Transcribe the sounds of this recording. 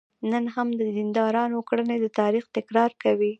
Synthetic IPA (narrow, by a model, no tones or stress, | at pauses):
nənɦamd̪əd̪ind̪ɑɾɑnokɽəned̪ət̪ɑɾixt̪ɪkɾɑɾkawi